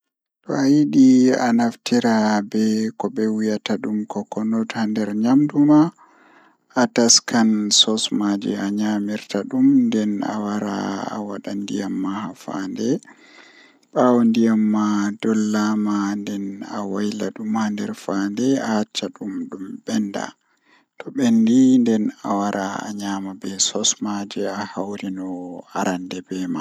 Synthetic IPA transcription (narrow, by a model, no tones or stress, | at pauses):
ɗɔajiɗia̰naftiɾabɛkɔbɛwijataɗumkɔkɔnɔtandɛɾɲamduma | ʔːtaskansɔsmad͡ʒḭaɲamiɾtaɗumndɛna̰waɾa̰a̰waɗandijamːahafa̰ndɛ | ɓawɔndijamːadɔlːamandɛnawajlaɗumandɛɾfandɛahat͡ʃːaɗumɗumbɛnda̰ | tʰɔɓɛndindɛnawaɾʔaa̰ɲaːmabɛsɔsmad͡ʒɛahawɾinɔaɾandɛbɛma